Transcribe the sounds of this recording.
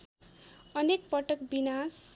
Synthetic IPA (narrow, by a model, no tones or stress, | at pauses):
ʌnek̚pʌʈʌkbinas